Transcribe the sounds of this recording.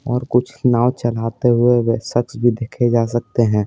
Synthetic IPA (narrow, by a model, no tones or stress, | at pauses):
ɔːɾkʊt͡ʃʰkinaːwt͡ʃəlaːt̪eɦʊewesəksbʱid̪eːkʰed͡ʒaːsək̚t̪eɦɛ̃ː